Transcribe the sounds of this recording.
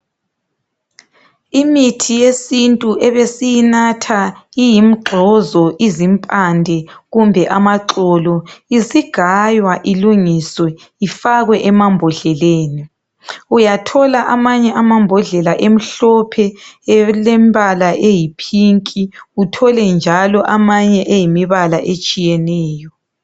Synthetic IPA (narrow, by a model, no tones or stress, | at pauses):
imitʰijesintʼuʔɛβesijinatʰaijim̩ɡ͡ǃʱɔzɔʔizimpʼandʱɛɣumbʱɛʔamaǁɔlɔisiɡ̥ʱajwaʔiluŋiswɛ | ifaɣwɛʔɛmambʱɔɮɛleːni | ujatʰɔlaʔamaɲɛʔamambʱɔɮɛlaʔem̩ɬɔpʰɛ | lemβalaʔejipʰiŋkʼiutʰɔlɛnd͡ʒʱalɔʔamaɲɛʔejimiβalaʔet͡ʃʼijɛnɛːjɔ